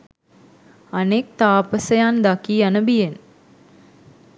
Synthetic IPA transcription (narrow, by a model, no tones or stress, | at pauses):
anek̚t̪aːpəsəjand̪akiːanəbijen